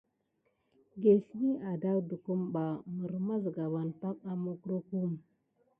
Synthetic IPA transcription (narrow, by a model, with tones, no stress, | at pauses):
ɡe˨si˦ni˦ʔa˨da˦wdu˨ku˦mba˨mə˨ɾma˦zɡa˨ba˨nta˦k̚a˦mo˦ku˦ɾo˦ku˦˨m˨